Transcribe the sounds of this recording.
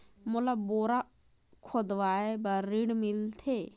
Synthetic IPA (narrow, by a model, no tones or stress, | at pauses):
molaboɾa | kʰɔd̪ʋaebaɾiɽmilt̪ʰe